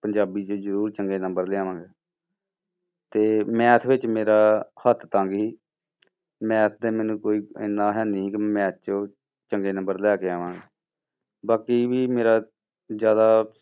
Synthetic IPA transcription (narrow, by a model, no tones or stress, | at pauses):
pəɲd͡ʒaːbiːt͡ʃõːzəɾuːɾt͡ʃəŋɡeːnəmbəɾlɪaːʋãːŋɡɛː | t̪eːmɛ̃ːt̪ʰʋɪt͡ʃmeːɾaːhət̪ʰt̪ãːŋɡɦiː | mɛ̃ːt̪̚ʰd̪ɛːmɛ̃ːnũːkoːiːɪ̰nːãːɦɛːniːɦiːkmɛ̃ːt̪̚ʰt͡ʃõː | t͡ʃəŋɡeːnə̃mbəɾlɛːkeːaːʋãːŋɡɛː | baːkiːʋiːmeːɾaː | d͡ʒjaːd̪aː